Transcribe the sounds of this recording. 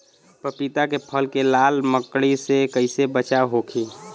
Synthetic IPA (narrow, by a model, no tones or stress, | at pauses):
pəpit̪akepʰəlkelaːlməkɽisekəɪsebət͡ʃaɦoːkʰiː